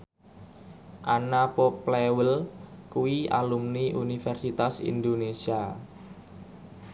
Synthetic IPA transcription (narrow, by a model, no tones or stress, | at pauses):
ʔanapɔplewəlkuwia̰lumniʔunifɛrsit̪asḭnd̪onesia